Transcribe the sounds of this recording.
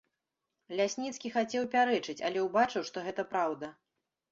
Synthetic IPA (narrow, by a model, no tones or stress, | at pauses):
lʲasʲnʲit̪skʲixat͡sʲɛwpʲaɾɛt͡ʂɨt͡sʲɐ̰lʲɛwbat͡ʂɨwʂt̪ɔɣɛt̪ɐpɾawd̪ɐ